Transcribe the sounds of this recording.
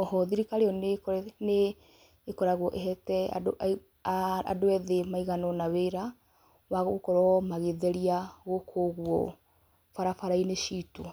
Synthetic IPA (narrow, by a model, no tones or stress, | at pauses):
ɔhɔðiɾikaɾeɔnkneː | kɔɾaɣwɔʔeɦɛtɛa̰ | a̰doɛðemaiɣanɔnaweɾa | waɣokɔɾɔmaɣeðɛɾiaɣokʰoɣwɔ̰ | faɾafaɾaineʃito